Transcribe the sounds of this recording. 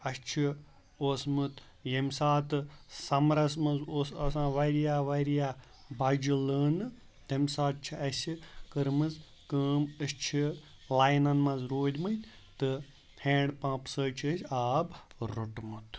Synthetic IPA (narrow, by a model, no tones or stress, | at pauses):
ɐst͡ʃʰi | oːsmɨt̪ʰ | jemsaːt̪ɨsɐmɾɐsmɐzoːsɐsãːʋɐɾjaːʋɐɾjaː | bɐd͡ʒiləːnɨ | d̪ɐmʲsaːt̪̚t͡ʃʰiɐsʲikɨɾmɨz | kəːmɐst͡ʃʰilaːjnɐnmɐzɾoːd̪ʲmɨt̪ʲ | t̪ɨ | hẽːɳɖpãːpsəːt͡ʃʰəsʲaːbɾuʈmut̪ʰ